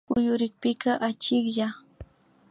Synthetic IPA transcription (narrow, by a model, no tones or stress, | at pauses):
ʊjʊɾɪk̚pɪkaʔat͡ʃɪkʎa